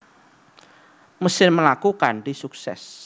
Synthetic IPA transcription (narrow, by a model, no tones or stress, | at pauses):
məsɪrməlakukandisuksɛ̰s